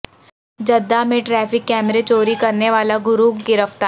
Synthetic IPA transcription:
d͡ʒɐd̪ːamẽʈɾɛːfɪkːɛːmɾet͡ʃoːɾikɐɾneʋaːlaɡʊɾuːkɡɪɾəft̪aː

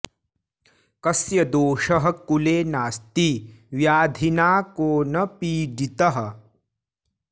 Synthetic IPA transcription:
kɐsjɐd̪oːʃɐɦɐ̆kuleːnaːst̪iʋjaːd̪ʱinaːkoːnɐpiːɖit̪ɐɦɐ̆

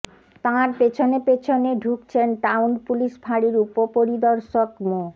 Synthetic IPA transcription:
t̪ãɾpet͡ɕʰonepet͡ɕʰoneɖʱukt͡ɕʰenʈawnpuliʃbʱaɽiɾupopoɾid̪ɔɾʃokmo

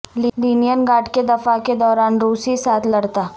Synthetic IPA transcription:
lliːnijənɡaːʈked̪ɐfaked̪ɔːɾaːnɾuːsisaːt̪ʰlɐɽt̪aː

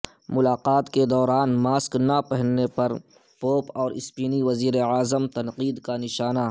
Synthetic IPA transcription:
mʊlaːqaːt̪ked̪ɔːɾaːnmaːsknapɛɦənːepɐɾ | poːpɔːɾɪspiːniʋɐziːɾeaːzəmt̪ɐnqiːd̪kanɪʃaːna

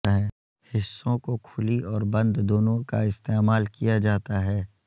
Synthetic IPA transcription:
ɦɛ | hɪsːõkokʰʊliɔːɾbɐ̃nd̪d̪oːnõkaɪst̪eːmaːlkijad͡ʒaːt̪aɦɛː

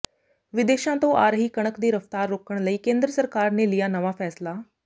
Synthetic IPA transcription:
ʋɪd̪eːʃãt̪oʔa̰ːɾɦiːkəɽ̃əkd̪iːɾəft̪aːɾːoːkəɽ̃ləiːkẽːnd̪ɾəsəɾkaːɾnelijanəʋafɛːsla

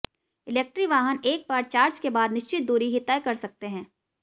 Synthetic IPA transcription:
ɪleːk̚ʈɾiʋaːɦəneːk̚baːɾt͡ʃaːɾd͡ʒkebaːd̪nɪʃt͡ʃɪt̪̚d̪uːɾiɦɪt̪ːajkɐɾsɐk̚t̪eɦɛ̃ː

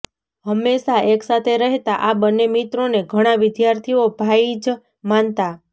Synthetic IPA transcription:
ɦəmːeʃaeksat̪ʰeɾəɦt̪aʔabənːemit̪ɾoneɡʱəɽ̃aʋɪd̪jaɾt̪ʰiobʱaid͡ʒ | mant̪a

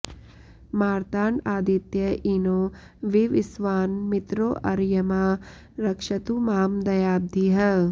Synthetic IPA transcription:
maːɾt̪aːɳaːd̪it̪jɐʔinoː | ʋiʋɪsʋaːnmit̪ɾoːʔɐɾjɐmaː | ɾɐkʃɐt̪umaːmd̪ɐjaːb̚d̪ʱiɦɐ

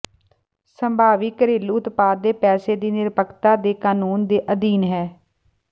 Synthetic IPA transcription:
səmbʱaːʋiːkəɾiːluːt̪paːd̪eːpɛːseːd̪iːnɪɾpəkt̪aːd̪eːkaːnuːnd̪eːʔəd̪iːnɦɛː

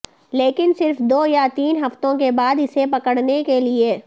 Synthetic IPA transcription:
leːkɪnsɪɾfd̪oːjat̪iːnɦɐft̪õkebaːd̪ɪsepɐkəɽnekelieː

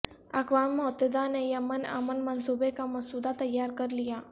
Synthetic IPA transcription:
ə̰kʋamːɔt̪əd̪anejəməna̰mənmənsubekaməsud̪at̪əjːaɾkəɾlija

